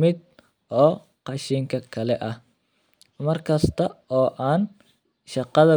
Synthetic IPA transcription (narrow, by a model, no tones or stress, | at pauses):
mɪd̪̚ | ʔɔː | qɑʃiːŋkʰɐkʰɐlɛʔɐh | mɐrkʰɐst̪ʰɐɔːʔaːn | ʃɑqɑðɐ